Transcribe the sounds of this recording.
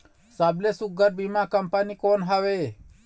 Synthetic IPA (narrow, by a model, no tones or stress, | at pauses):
saːblesʊɡəɾbimãkəmpanikoːnɦəʋeː